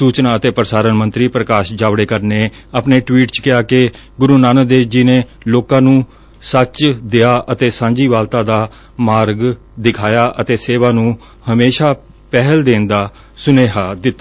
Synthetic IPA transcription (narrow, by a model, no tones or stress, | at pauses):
suːt͡ʃnaːət̪eːpɾəsaːɾənmə̃nt̪ɾiːpɾəkaːʃd͡ʒaːʋɽeːkəɾneː | əpneːʈwiːʈt͡ʃkɪjaːke | ɡʊɾuːnaːnəd̪eːd͡ʒɪnẽː | loːkãːnũː | sət͡ʃd̪eaːʔət̪eːsãːɲd͡ʒiːʋaːlt̪ãːd̪aː | maːɾɡ | d̪ɪkʰaːjaːʔət̪eːseːʋaːnũː | həmeːʃaː | pɛɦəld̪eːnd̪aː | sʊneːɦaːd̪ɪt̪ːa